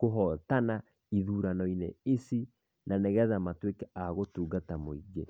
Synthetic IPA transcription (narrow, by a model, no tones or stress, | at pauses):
koɦɔtana | iðuːɾanɔinḛesi | nʔanɛɣɛðamatwekɛaɣotuːɡatamoiɡe